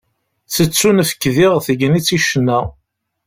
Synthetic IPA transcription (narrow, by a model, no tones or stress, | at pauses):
θət͡sːunfə̥kːðiʁθəɡnit͡sːiʃənːæ